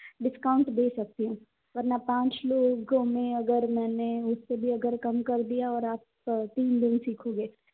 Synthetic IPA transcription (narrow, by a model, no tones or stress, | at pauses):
ɖɪskaːʊ̃ɳʈd̪eːsɐk̚t̪iɦũː | ʋɐɾnapãːt͡ʃloːɡõmẽɐɡəɾmɛːneʊsːebʱiɐɡəɾkɐmkɐɾd̪ijaɔːɾaːp | t̪iːnd̪ɪnsiːkʰoːɡeː